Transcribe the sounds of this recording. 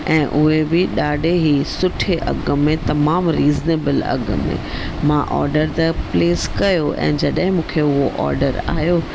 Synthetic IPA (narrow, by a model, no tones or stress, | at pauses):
ɛ̃ːʔʊɦebɪɗaːɖʱeɦisʊʈʰeʔɐ̰ɡmẽt̪ɐmaːmɾiːzneːbəlɐ̰ɡ̰mḛ̃ | mãʔɔ̰ːɾɖəɾt̪ɐpleːskɐjoʔɛ̰̃ːd͡ʑɐɗɦɪ̃mũːkʰeʊɦoʔɔ̰ːɾɖəɾa̰ːɦjo